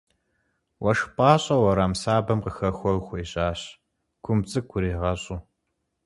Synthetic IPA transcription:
wɐʂpʼɑːɕʼɐwɐɾaːmsaːbɐmqəxɐxʷɔrxʷɔiɕʼaːɕ | kʷʰʊmt͡sʼɨkʷʰʊɾiːʁɐɕʼuː

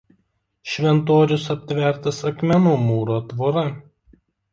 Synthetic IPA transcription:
ʃʲʋʲɛnt̪oːɾʲʊsɐpʲt̪ʲʋʲɛˑɾt̪ɐsɐkmʲɛnuːmuːɾoːt̪ʋoːɾɐ

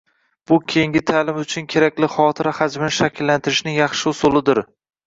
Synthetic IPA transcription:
b̥ʊkʲʰejɪŋɡʲɪt̪ʰalɪmʊt͡ʃʰʊnkʲʰe̞ɾakʲlɪχɒt̪ʰɪɾahad͡ʒmɪnɪʃakʲɪlːant̪ʰɪɾɪʃnɪŋjɑχʃɪʊsʊlˠɪd̪ɪɾ

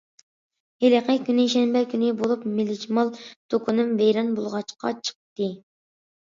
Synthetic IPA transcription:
heleqɛkʲʰynɪʃɛnbɛkʲynɪbolˠupmɪlːɪt͡ʃmɑlˠt̪ʰokʰunɨmbɛjɾɑnbolˠʁɑt͡ʃqʰɑ̰t͡ʃʰə̥q̚t̪ɨ

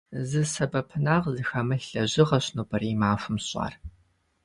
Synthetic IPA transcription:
zɨsɐbɐpʰɨnaːʁzɨxɐmɐɬɐʑɪʁɐɕnuːbɐriːmaːfʷʊmɕʼɑ̰ːr

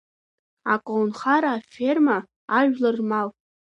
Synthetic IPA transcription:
akʷʼownχaɾaːferma | aʒᶣlarmawʼ

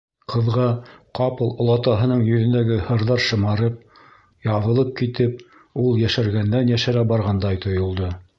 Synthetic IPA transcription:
qʰɤ̆ðʁɑqɑpɤlˠŏlˠɑt̪ɑɦɤ̆nɤɴjɵ̆ðɵ̆nd̪æɡɘhɤ̆ɾðɑɾʃɤ̆mɑɾɤp̚ | jɑβɤ̆lˠɤp̚kit̪ɘp̚ | ulˠjæʃæɾɡænd̪ænjæʃæɾæbɑɾʁɑnd̪ɑjt̪ʰŏjŏlˠd̪ɤ

